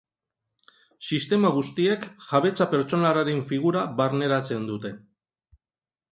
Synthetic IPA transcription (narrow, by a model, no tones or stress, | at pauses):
sist̪e̞maɣ̞ust̪ie̞kʝaβe̞t͡sape̞ɾt͡ʃo̞naraɾeɱfiɣuɾaβaɾne̞ɾat͡se̞nd̪ut̪e̞